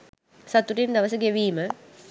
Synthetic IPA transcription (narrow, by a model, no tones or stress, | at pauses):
sɐt̪uʈind̪ɐʋəsəɡeʋiːmə